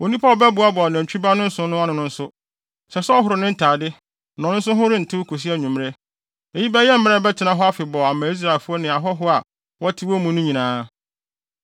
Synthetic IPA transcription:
o˨nĩ˦pʰa˦˨bɛ˦bʊ˨a˦bʊ˨a˨n˨ã˨ɲ˨t͡ɕᶣi˦ba˦nʊ̃˦n̩˦sʊ̃˦nʊ̃˦a˦nɪ̃˨nʊ̃˦n̩˦sʊ˦ | sɛ˨sɛ˦ɔ˦ɦʊ˨ɾʊ˨nɪ̃˦n̩˦tʰaː˨dɪ˦ | nɔ̃˨nʊ̃˦n̩˦s̬ʊ̃˦ɦʊ̃˦ɾɪ̃˦n̩˨tʰɪ˦wkʰo˨s̬i˦æ˦ɲũ˨m̃˦ɾe˦ | e˨ji˦bɛ˦jɛ˦m̩˦mɪ̃˦ɛ˦bɛ˦tʰɪ˨nã˦ɦɔ˦a˦fɪ˨bɔ˨a˨mã˨i˦s̬ɾa˨ɪ˨fu˦ɔ˦nɪ̃˨a˨ɦɔ˦ɦʊ˦a˨ | wɔ˦tʰɪ˦wɔ˦mũ˦nʊ̃˦ɲĩ˨nãː˨˦

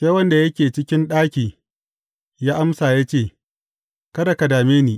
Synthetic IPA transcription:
ʃa˦wɐ˦nda˨jɐ˦kʲeː˨t͡ʃɪ˦kʲɪ˦nɗaː˦kʲiː˨ | jaː˦ʔa˦msaː˨ja˦t͡ʃeː˦˨ | kɐ˦da˨kɐ˨daː˨meː˦niː˨

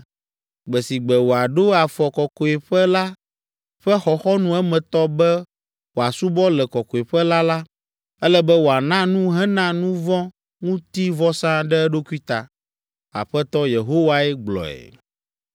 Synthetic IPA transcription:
ɡ͡bɛ˨si˨ɡ͡bɛ˨wo˨a˨ɖo˦a˨fɔ˨kɔ˨ko˨ɛ˨ɸɛ˦la˦ | ɸɛ˦xɔ˨xɔ˦nũ˦ɛ˦mɛ̃˨t̪ɔ˦bɛ˦ | wo˨a˨su˦bɔ˦lɛ˨kɔ˨ko˨e˨ɸɛ˦la˦la˦ | ɛ˦lɛ˦bɛ˦wo˨a˨nã˦nũ˦ɦɛ˦nã˦nũ˦vɔ̃˦ | ŋũ˦t̪i˦vɔ˦sã˦ɖɛ˦ɖo˦ku˦i˦t̪a˨ | a̰˨ɸɛ˦t̪ɔ˦je˨ɦo˦wa˦ɛ˦ɡ͡blɔ̰˨ɛ̰˨

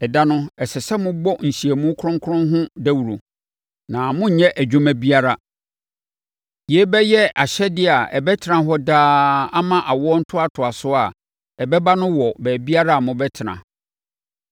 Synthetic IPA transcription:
ɛ˨da˦nʊ̃˦ɛ˨sɪ˨sɛ˦mʊ̃˦bɔ˦n̩˨ɕi˨e˨mũ˦kʰɾʊ̃˦ŋ˦kʰʊ˦ʊ̃˦nɦʊ̃˦dæ˦wu˨ɾo̰˨ | nã˨mʊ̃˦ɲ̩˨ɲɛ̃˦ʔæ˨d͡ʑᶣũ˦mæ̃˦bi˦a˦ɾa˦ | je˨˦bɛ˦jɛ˦a˨ɕɛ˦dɪ˦˨a˨ɛ̰˨bɛ˦tʰɪ˨˦ã˨ɦɔ˦daː˦a˦mã˦ʔa˨wɔ˦n̩˦tʰʊ˦a˨tʰʊ˨a˨sʊ˦a˨ | ɛ˨bɛ˦ba˦nʊ̃˦wɔ˨bɛː˨bi˦a˦ɾa˦a˨mʊ̃˦bɛ˦tʰɪ˨nã̰˨

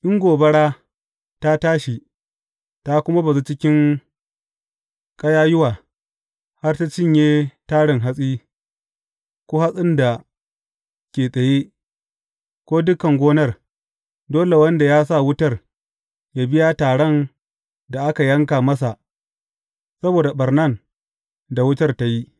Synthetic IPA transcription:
ʔɪ˦ŋɡʷoː˨bɐ˦ɽaː˦ | ta˦taː˦ʃi˨ | ta˦kʷʊ˦ma˦ba˨zu˦t͡ʃɪ˦kʲɪ˦ŋ | kʼɐ˦jaː˦jʊ˦waː˨ | ha˦rta˦t͡ʃɪ˦˨ɲjeː˦taː˦ɽɪ˨ŋɦa˦sʼiː˦ | kʷoː˦ha˦sʼɪ˦nda˨ | kʲeː˨sʼɐ˨je˦ | kʷoː˦dʊ˦kːɐ˨ŋɡʷoː˦nɐ˦˨r | doː˦le˨wɐ˦nda˨jaː˦sa˦˨wʊ˦tɐ˦˨r | ja˦bɪ˦ja˦taː˨ɽɐ˦n | da˨ʔa˦ka˨jɐ˦ŋkaː˨mɐ˦s̬a˨ʔ | sɐ˦boː˨da˨ɓɐ˨rnɐ˦˨n | da˨wʊ˦tɐ˦rta˦ji˦ʔ

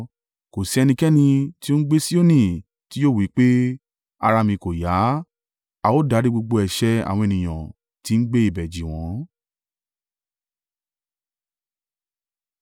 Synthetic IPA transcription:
ko˨si˨˧˦ɛ˧nĩ˧kɛ˦nĩ˧ti˦o˦n̩˦ɡ͡be˦si˦o˦nĩ˦˨ | ti˦jo˦˨wi˨˦k͡pe˦ | a˧ɾa˧mĩ˧ko˨ja˨˦ | a˧wo˦˨da˨˦ɾi˦ɡ͡bo˧ɡ͡bo˧ɛ˨ʃɛ˦a̰˨w̃ɔ̃˧e˨nĩ˨j̃ã˨ | ti˨˦n̩˦ɡ͡be˦i˦˨bɛ˨d͡ʒi˨w̃ɔ̃˨˦

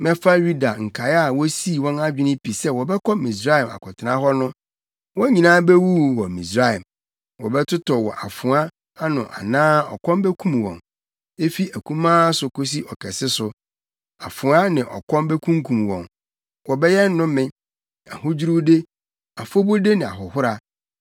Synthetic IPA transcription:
mɛ̃˦fa˦ɥu˦da˨ŋ̩˨kʰa˨˦a˨wɔ˦si˦˨wɔ̃˦na˦d͡ʑᶣɪ˦nɪ̃˦pʰi˨sɛ˦wɔ˨bɛ˦kʰɔ˦mĩ˨s̬ɾa˦ɛ˨ma̰˨kʰɔ˨tʰɪ˨nã˦ɦɔ˦nʊ̃˦ | wɔ̃˦ɲĩ˨nãː˦bɛ˦wu˦wɔ˨mĩ˨sɾa˦˨ɛ˨m | wɔ˨bɛ˦tʰʊ˦tʰɔ˨wɔ˨ʔa̰˨fʊ̃˨a˦ | a˦nʊ̃˨ʔa̰˨nãː˦ɔ̰˨kʰɔ̃˦nbɛ˦kʰũ˦m˨wɔ̰̃˨n | e˦fi˦æ˨kʰũ˦mãː˦sʊ˨kʰo˦s̬i˦ʔɔ˨kʰɛ˨sɪ˦sʊ˨ | a˨fʊ̃˨a˦nɪ̃˨ʔɔ̰˨kʰɔ̃˦mbɛ˦kʰũ˦ŋkʰũ˨mwɔ̰̃˨n | wɔ˨bɛ˦jɛ˦n̩˦nʊ̃˦mɪ̃˦ | a̰˨ho˦d͡ʑu˦ɾu˦de˦ | a˨fo˦bo˦de˦nɪ̃˨a̰˨ɦʊ˨ɦʊ˦ɾa˨

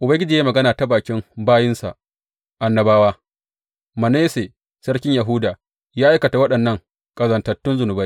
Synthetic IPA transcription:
ʔʊ˨bɐ˦ŋɡʲɪ˦d͡ʒiː˨je˦mɐ˨ɡɐ˦naː˨ta˦baː˨kʲɪ˦mbaː˦jɪ˦nsa̰˨ʔ | ʔa˨nːɐ˨baː˦waː˦ | mɐ˨ne˦se˨ | sɐ˦ɽkʲɪ˦ɲjɐ˨ɦʊ˦daː˨ | jaː˦ʔa˦jkɐ˨ta˨wɐ˦ɗɐ˨nːɐ˦ŋ | kʼɐ˨zɐ˨ntɐ˨tːʊ˦nzʊ˨nʊ˨ba˦j

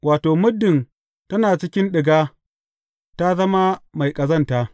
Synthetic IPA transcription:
waː˨toː˨mʊ˦dːɪ˨n | tɐ˦naː˨t͡ʃɪ˦kʲɪ˦nɗɪ˨ɡaː˦ | ta˦zɐ˦ma˦ma˨jkʼɐ˨zɐ˦ntaː˦

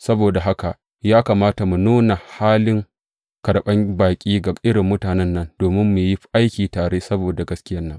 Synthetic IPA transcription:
sɐ˦boː˨da˨ɦa˦ka˨ | jaː˦kaː˨maː˦ta˨mu˨nuː˦na˨haː˦lɪ˦ŋ | kɐ˨ɽɓɐ˦ŋbaː˨kʲʼiː˦ɡa˨ʔɪ˦ɽɪ˨mːʊ˦taː˨nɛ˦nːɐ˦nd̥oː˨mɪ˦mːu˨ji˦ʔa˦jkʲiː˨taː˨ɽeː˦sɐ˦boː˨da˨ɡɐ˦skʲɪ˦jɐ˦nːɐ˦ŋ

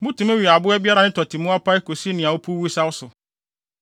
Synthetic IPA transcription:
mũ˦tʰũ˨me˦ɥi˨a˨bʊ˦ɛ˦bi˦a˦ɾa˨nɪ̃˦tʰɔ˨tʰi˨mũ˦a˦pʰa˦ɪ˦ko˨si˦nɪ̃˨a˨wʊ˦pʰu˦wu˦sa˦wʊ˦sʊ˨

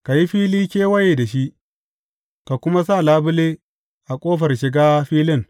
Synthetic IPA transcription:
ka˨ji˦ɸiː˦liː˦kʲeː˦wɐ˦je˨da˨ʃi˦ʔ | ka˨kʷʊ˦ma˦s̬a˦˨laː˦bʊ˦leː˦ | ʔa˨kʷʼoː˦ɸɐ˨rʃɪ˨ɡaː˦ɸiː˦lɪ˦˨ŋ

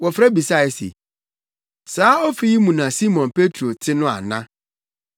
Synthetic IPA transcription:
wɔ˨fɾa˦bi˨sa˦˨ɛ˨sḛ˨ | saː˦ɔ˦fi˦ji˦mũ˨nã˨si˦mɔ̃˨npʰe˦tʰɾo˨tʰɪ˦nʊ̃˦a̰˨nã˦

